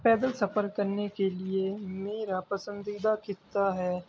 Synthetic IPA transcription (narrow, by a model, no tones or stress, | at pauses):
pɛːd̪əlsɐpəɾkɐɾnekeliemeːɾapɐsə̃nd̪id̪akɪt̪ːaɦɛː